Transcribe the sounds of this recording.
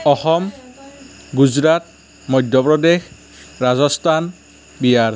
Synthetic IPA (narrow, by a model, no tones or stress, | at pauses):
ɔxɔm | ɡuzɹat | mɔjdʱjɔpɹɔdex | ɹazɔstʰan | bijaɹ